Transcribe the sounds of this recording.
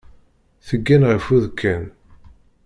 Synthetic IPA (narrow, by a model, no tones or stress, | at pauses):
θəɡːænʁəfuðkʰːæn